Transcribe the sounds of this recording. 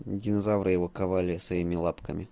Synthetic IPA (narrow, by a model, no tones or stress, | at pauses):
ɡʲɪnɐzavɾɨjɪvo̞kɐvalʲɪsɐimʲɪlˠapkəmʲɪ